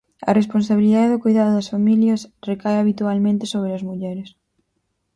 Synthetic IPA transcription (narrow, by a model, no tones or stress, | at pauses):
ɐ̰responsaβiliðaðeðʊkojðaðʊðɐsfamiljɐsrekaeaβit̪ualmẽnt̪esoβ̞ɾeɐzmuʎɛɾes